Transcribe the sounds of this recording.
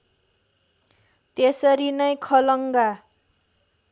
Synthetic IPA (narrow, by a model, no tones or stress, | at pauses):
t̪esʌɾinʌjkʰʌlʌŋɡa